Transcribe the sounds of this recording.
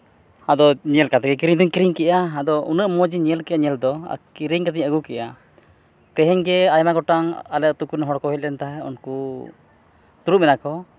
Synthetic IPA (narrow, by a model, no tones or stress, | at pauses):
ad̪ɔɲɛlkat̪ɛɡɛk̬iɾiɲd̪ɔɲkiɾiŋkɛʔaːd̪ɔṵnəʔmɔd͡ʒiɲɛlkɛʔaɲɛld̪ɔa̰kiɾiɲkat̪̬iɲəɡukɛʔa | t̪ɛɦɛɲɡɛajmaɡɔʈaŋalɛʔ̚t̪ukunɦɔɽkɔɦɛt̪̚lɛnt̪aɦɛṵnku | t̪uɾuʔ̚mɛnakɔ